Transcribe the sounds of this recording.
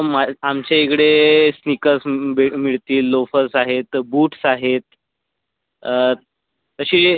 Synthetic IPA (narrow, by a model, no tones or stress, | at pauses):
maamt͡ɕeekɽesnikəsbimiɭt̪iːlːofəsaɦet̪buːʈsaɦet̪̚ | t̪əɕiː